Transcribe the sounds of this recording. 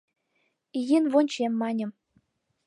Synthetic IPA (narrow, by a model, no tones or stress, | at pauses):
ijenvonʲt͡ɕemːɑnʲɤ̆m